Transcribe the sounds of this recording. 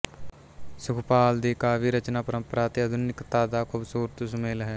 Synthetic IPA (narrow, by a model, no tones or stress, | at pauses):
sʊkʰpaːld̪ikaːbiɾət͡ʃnaːpəɾə̃mpəɾaːt̪iɐd̪ʱʊnɪkt̪aːd̪aːkʰubsuːɾət̪usʊmeːlɦɛː